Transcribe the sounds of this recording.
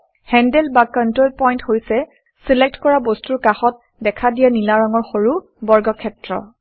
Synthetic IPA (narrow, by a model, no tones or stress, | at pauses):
hɛndɛlbakɔntɹolpɔjnthojsɛ | silɛk̚tkɔɹabostuɹkaxɔt̚ | dɛkʰadijanilaɹɔŋɔɹxoɹu | bɔɹɡɔkʰɛtɹɔ̰